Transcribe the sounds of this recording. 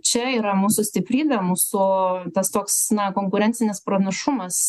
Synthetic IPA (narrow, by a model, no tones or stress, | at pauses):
t͡ʃʲɛiːɾɐmuːsʊsʲt̪ʲɪpʲɾʲiːbʲɛmuːsʊt̪ɐst̪oːksnɐkoːŋkʊɾʲɛnʲtsʲɪnʲɪspɾɐnɐʃʊmɐs